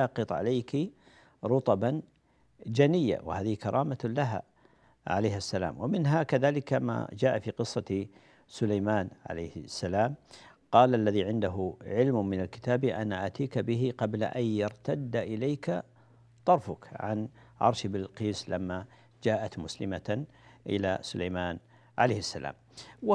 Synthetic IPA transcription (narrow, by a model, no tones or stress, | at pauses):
aqɨt̪ˤʕa̰lajki | ɾˤʊt̪ˤɑban | d͡ʒanɪjːa̰w̰haːðɪhkɑɾˤʔɑːmalaɦa̰ | ʕa̰laːhasːala̰ːmwɪmɪnɦakaðaːlɪkama̰d͡ʒaːʔafiːqɨsˤːɑ | sʊlajmaːnʕa̰lajːhɪsːalaːmqɑːlʔalːaðiʕɪnd̪aɦʊʕɪlmmɪnalkɪ̥t̪aːbiʔanːaʔat̪iːkabɪɦɪqɑblaʔajːɑɾt̪ad̪ːaʔɪlajka | t̪ˤɑɾˤfʊkʕa̰n | ʕɑ̰ɾˤʃabɪlqiːslamːa | d͡ʒaːʔat̪mʊslɪma | ʔɪ̰la̰sʊlajmaːn | ʕa̰lajhasːala̰ːm | w